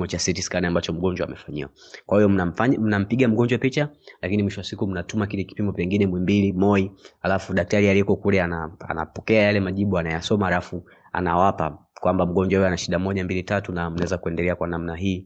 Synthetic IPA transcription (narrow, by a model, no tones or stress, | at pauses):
ɔt͡ʃasɛtisi̥kaniambat͡ʃɔm̩ɠɔɲd͡ʒwa̰mɛfaɲḭwakwahijɔn̩ɲm̩nam̩piɡam̩ɡɔɲd͡ʒwapit͡ʃalakinimwiʃɔasikum̩natumakilɛki̥pimɔpɛŋɡinɛmwɛmbilimɔihalafuɗak̚taɾialikɔkulɛanaa̰na̰pɔkɛajalɛmaʄiɓuanajasɔmahalafu | a̰na̰wapa | kwambam̩ɠɔɲd͡ʒwahujɛanaʃiɗamɔʄambilitatunam̩nawɛzakuɛndɛlɛakwanamnaɦiː